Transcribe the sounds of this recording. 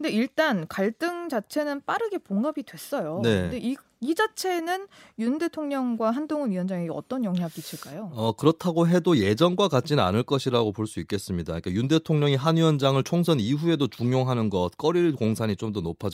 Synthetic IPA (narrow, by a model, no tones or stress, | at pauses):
kɯnde̞iɭt͈ankaɭt͈ɯŋt͡ɕat͡ɕʰe̞nɯnp͈aɾɯɡe̞poŋɡabidwe̞s͈ʌjone̞ɯnde̞ʔi | id͡ʑat͡ɕʰe̞nɯnjunde̞tʰoŋɲʌŋɡwaɦandoŋɯnijʌnd͡ʑaŋeɡʌ̰t͈ʌnjʌŋɦjaɡit͡ɕʰiɭk͈ajoʌkɯɾʌtʰaɡoɦe̞doje̞d͡ʑʌnɡwakat̚t͡ɕ͈inna̰nɯɭk͈ʌɕʰiɾaɡopoɭs͈uik͈e̞s͈ɯmɲidaɲik͈ajunde̞tʰoŋɲʌŋiɦanɥiʌnd͡ʑaŋɯɭt͡ɕʰoŋsʰʌniɸue̞dot͡ɕuŋjoŋɦanɯnɡʌt̚k͈ʌɾiɭkoŋsʰaɲit͡ɕ͈omdonopʰad͡ʑ